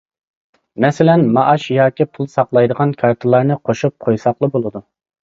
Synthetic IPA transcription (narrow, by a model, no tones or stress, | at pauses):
mɛsɪlɛnmɑʔɑʃjɑːkʲipʰulˠsɑqlˠɑjd̪əʁɑnkʰɑɾt̪ʰɨlˠɑɾnɨqʰoʃup̚qʰojsɑqlˠɨbolˠɨd̪u